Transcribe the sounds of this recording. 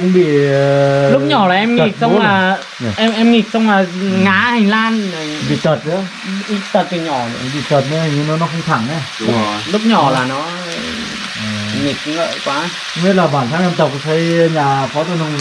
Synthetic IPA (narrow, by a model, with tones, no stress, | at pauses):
kʊ˧˥ŋ͡mɓḭ˧˩ | lu˦˥k̚ɲɔ˨˩laː˨˩ʔɛ˧mŋi˨˩k̚sa˧˦ŋ͡mlaː˨˩˨ | ʔɛ˧mʔɛ˧mŋi˨˩k̚sa˧wŋ͡mlaː˨˩ŋaː˨˧˥ha˨˩jlaː˧n˨˩ɓḭ˧˨˩t͡ɕə˨˩t̪̚kɨ˧˦ə˦ | ʔi˨˧˥t̪ə˨˩t̚ki˨˩ɲɔ̰˨˧˩ɓḭ˧˨t͡ɕəː˨˩t̪̚nɛː˧˥˩ɲi˧˥nɔː˨˦nɔ˨˧˦kʊ˧˩ŋ͡mt̪ʰaː˧˩˦ŋnɛ˧˩ | ʊ˦lu˦˥p̚ɲɔ˨˩laː˨˩nɔ˨˦˧ | ʔəː˨˩ŋi˨˩k̚ŋə̰ː˧˨jkwaː˨˦˧ | me˦˥laː˨˩ɓaː˨˩nt̪ʰaː˧˥ŋʔɛ˧mt̪ə˨˩p̚kːt̪ʰə˨˦jɲaː˨˩fʰɔː˨˦t̪ə˨˧˨nɔ˧ŋ